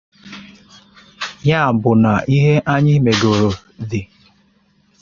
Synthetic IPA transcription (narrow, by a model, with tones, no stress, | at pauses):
ja˦˨bʊ˨na˨ʔi˦ɦe˦ʔa˦ɲɪ˦me˨ɡo˨ɾo˨ | ði˨